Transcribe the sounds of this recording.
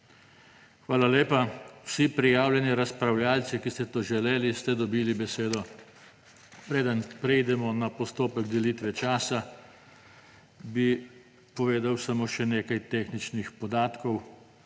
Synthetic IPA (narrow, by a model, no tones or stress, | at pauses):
xʋaːlaleːpawsipɾijaːwljɛniɾaspɾawljaːlsikist̪ɛt̪oːʒɛleːlist̪ɛd̪ɔbiːlibɛseːd̪ɔ | pɾeːd̪ənpɾɛjd̪ɛmɔnapɔst̪oːpɛɡd̪ɛlit̪ʋɛt͡ʃaːsa | bi | pɔʋeːd̪awsamoːʃɛneːkajt̪eːxnit͡ʃnixpɔd̪aːt̪kɔw